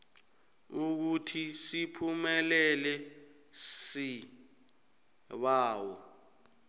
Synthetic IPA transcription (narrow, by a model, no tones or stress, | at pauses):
uk̬utʰisipʰumɛlɛlɛ | si | ɓaːwɔ